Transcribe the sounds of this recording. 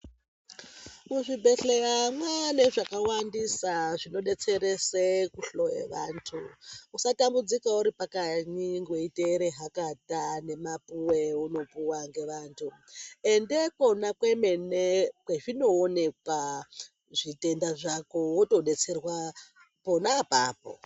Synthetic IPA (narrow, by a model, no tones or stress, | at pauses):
muʐibʱe̞ɬe̞ramwane̞ʐakawandisaʐino̞ɗe̞t͡se̞ɾe̞sekuɬo̞jḛʋa̰ːntʰuusatambud͡zikauɾipakaɲiŋɡweiteɾeɦakatane̞mapuweuno̞puwaŋɡe̞ʋaːntʰue̞nde̞ko̞nakweme̞nekweʐino̞ːne̞kwa | ʐite̞ndaʐakowoto̞ɗe̞t͡se̞rwa | ponapaːp̚o̰